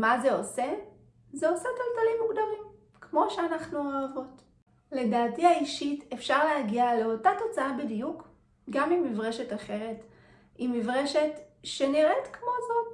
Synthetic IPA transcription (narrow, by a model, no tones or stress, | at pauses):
maze̞ose̞ | zeo̞setoltalimːukdamim | kmo̞ʃeanaχnuoːvo̞t | le̞daːtiaiʃitefʃaʁleɦaɡiale̞o̞tato̞t͡saabidijuk | ɡamimːivʁeʃe̞taχe̞ʁe̞t | imːivʁeʃetʃeniʁetkmo̞zo̞t